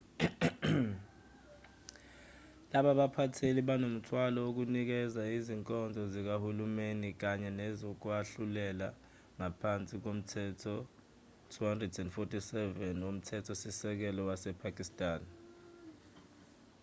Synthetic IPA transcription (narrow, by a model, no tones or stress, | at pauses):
laɓaɓapʰatʰeliɓanom̩tʰwalɔok̬unik̬ɛzaiziŋkʼɔnd͡zʱɔzik̬ahulumenik̬aɲɛnɛzok̬waɬulɛla | ŋapʰant͡sʼik̬om̩tʰɛtʰɔ | tʰuhandrɛdɛndfɔtʰʼisɛvɛnom̩tʰɛtʰɔsisɛk̬ɛlɔwasɛpʰakʼistʼaːn